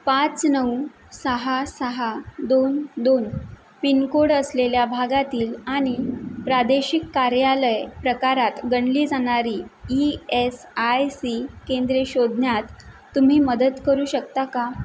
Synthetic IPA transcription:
pat͡snəw | səɦasəɦad̪ond̪on | pinkoɽəsleljabʱaɡat̪iːlaɽ̃ipɾad̪eɕikːaɾjaləjpɾəkaɾat̪ɡəɳliːd͡zaɽ̃aɾiːies | ajsikend̪ɾeɕod̪ʱnjat̪ː | um̤iːməd̪ət̪kəɾuːɕəkt̪aka

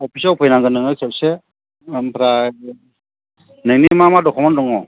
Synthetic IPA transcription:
ɔpʰisawpʰɔjnaŋɡɯnɯŋɯkʰap̚se | mpʰɾa | nɯŋnimamadɔkʰɔmandɔŋɔ

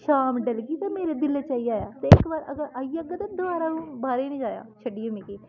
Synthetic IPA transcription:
ʃaːmɖəlɡiːt̪ãːmeːɾeːd̪ɪleːt͡ʃaːiaːjaːt̪eːɪkbaːɾəɡəɾaːiəɡət̪and̪ʊʋaːɾaːnũːbaːɾeːnĩːd͡ʒaːja̰ːt͡ʃʰəɖiːoːmiːkiː

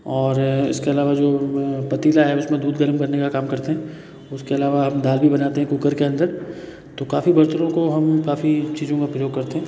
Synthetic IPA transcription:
ɔːɾɪ̰skeɐlaːʋad͡ʒoːpɐt̪iːlaɦɛʊsmẽd̪uːd̪ɡɐɾəmkɐɾnːekakaːmkɐɾt̪eɦɛ̃ː | ʊskeɐlaːʋaɦɐmd̪aːlbʱibɐnaːt̪eɦɛ̃kukəɾkeɐ̃nd̪əɾ | t̪okaːfibɐɾt̪əɾõkoɦɐmkaːfit͡ʃiːzõkapɾəjoːɡ̚kɐɾt̪eɦɛ̃ː

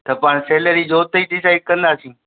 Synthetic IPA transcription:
t̪ɐpaːɳseːləɾiːd͡ʑoːt̪eʈisaːɪʈ̚kəənd̪aːsĩː

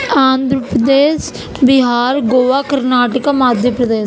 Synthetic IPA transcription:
aːnd̪ɾəpɾəd̪eːs | bɪɦaːɾɡoːʋaːkəɾnaːʈəkaːmaːd̪ʱjəpɾəd̪eː

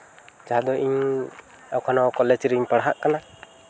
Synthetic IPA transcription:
d͡ʒaɦad̪ɔʔiɲ | awkʰanɔkɔled͡ʒɾɛiɲpaɽaɦaʔkana

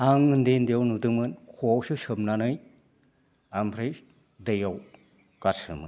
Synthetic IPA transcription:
aŋɯndendijawnudɯmɯnkʰuawsɯsɯmnanɯj | ampʰɾɯj | dɯjaw | kaɾsɯ̰mɯ̰n

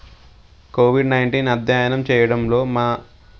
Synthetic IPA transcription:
koːʋiɖnɐjɳʈiːnɐd̪ʱjaːjɐnɐmt͡ʃɛːjɐɽɐmlo̞ːmaː

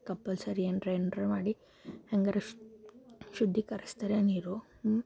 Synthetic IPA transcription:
kɐpːɐlsɐɾienɖɾeːɳɖɾɐɾmaːɽi | hɐŋɡɐɾɐ | ʃud̪ʱːikɐɾist̪aɾeɐniːɾu

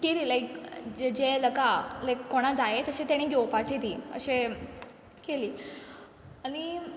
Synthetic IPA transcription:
keliːlajkd͡ʑed͡ʑeləkalajkːoɽ̃ad͡zaet̪əɕẽt̪aɽ̃ĩɡewpaʈet̪iːə̰ɕe | keliː | añi

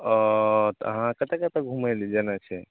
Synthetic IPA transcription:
ɔt̪ɦãkət̪ekət̪eɡʱumajlid͡ʒenat͡ʃʰɛ

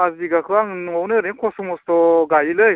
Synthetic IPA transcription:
aziɡakʰɯaŋnŋɔwnɯɾeŋkʰɔsɔmɔstɔɡajilɯj

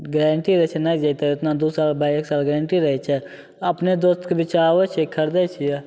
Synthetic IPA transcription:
ɡɾeːɳʈiɾɐɛt͡ʃʰɛnəid͡ʒəit̪eʊt̪nad̪uːsaːlbʱaːeːksaːlɡɾẽːɳʈiɾəɦit͡ʃʰɛ | ɐpned̪oːst̪kebɪt͡ʃaːet͡ʃʰekʰəɾd̪ət͡ʃʰijɛ

